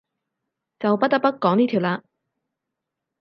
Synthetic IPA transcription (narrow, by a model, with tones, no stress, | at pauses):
t͡sɐ˨wpɐ˥t̚t̪ɐ˥k̚pɐ˥t̚kɔː˨˥ŋniː˥t̪ʰi˨˩wlaː˧